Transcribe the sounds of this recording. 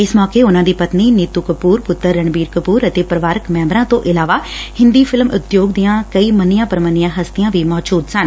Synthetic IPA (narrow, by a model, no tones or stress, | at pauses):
ɪsmɔːkeːʊnãːd̪iːpət̪niːnɪt̪ukəpuːɾpʊt̪ːəɾːəɳbiːɾkəpuːɾət̪eːpɾəʋaːɾəkmɛ̃ːmbɾãːt̪õʔɪlaːʋaːhɪ̃nd̪iːpʰɪlmʊt̪joːɡd̪ijãːkəiːmənɪjãːpəɾmənɪjãːɦəst̪ɪjãːʋiːmɔːd͡ʒuːd̪sən